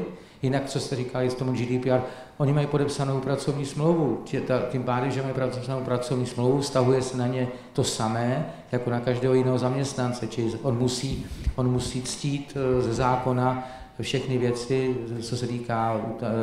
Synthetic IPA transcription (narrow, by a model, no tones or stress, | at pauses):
jɪnak̚t͡so̞st̪ɛɾiːkalɪst̪omud͡ʒidiːpiaːɾ | ʔo̞ɲɪmajipo̞dɛpsano̞wpɾat͡so̞vɲiːsmlowvucɛt̪acimpaːdɛmʒɛmajipɾapsanowpɾat͡so̞vɲiːsmlowvufst̪aɦujɛsɛnaɲɛ | t̪o̞samɛː | jako̞nakaʒdɛːɦojɪnɛːɦozamɲɛst̪nant͡sɛt͡ʃɪlɪʔonmusiːʔo̞nmusiːt͡sciːt̪zɛzaːko̞na | fʃɛxnɪvjɛt͡sɪt͡so̞sɛt̪iːkaːut̪